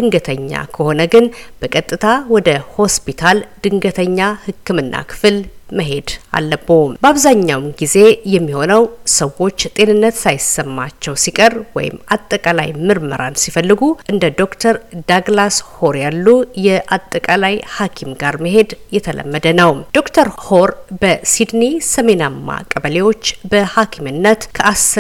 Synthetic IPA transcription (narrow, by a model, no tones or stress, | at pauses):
d̪ɨŋɡət̪ʰəɲːa̰kʰəho̞nəɡɨnb̥əkʼət̪ʼːɨt̪ʰawɔd̪əho̞spʰit̪ʰald̪̥ɨŋɡət̪ʰəɲːahɨkːɨmɨnːa̰kʰɨ̥fɨlməɦe̞d̪a̰lːəbːobəaβzaɲːawmɡize̞jɛmːiho̞nəwsəwo̞t͡ʃːt̪ʼe̞nɨnːət̪sajɪsːəmːat͡ʃːɛwsikʼərwɔ̰jɪ̰mat̪ʼːəkʼala̰jmɨɾmə̰ɾansifəlːɨɡuʔɨnd̪əd̪o̞kt̪ʰəɾd̪aɡlasho̞ɾjalːujɛʔat̪ʼːəkʼalajhakʰimɡaɾməɦe̞d̪jɛt̪ʰələ̰mːəd̪ənəwd̪̥o̞kt̪ʰəɾhoɾbəsid̪nisəme̞namːa̰kʼəβəle̞wo̞t͡ʃːbəhakʰimɨnːət̪kʰəʔas